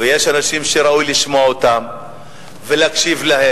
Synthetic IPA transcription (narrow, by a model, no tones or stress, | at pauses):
ejeʃanaʃimʃeɾaujliʃmoaot̪am | velakʃivlaɦe